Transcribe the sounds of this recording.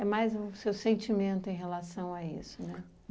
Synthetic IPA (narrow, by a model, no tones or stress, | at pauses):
ɛmajzusewsẽnt͡ʃimẽnt̪ʊẽj̃ɦelasɐ̃w̃aḭsʊnɛ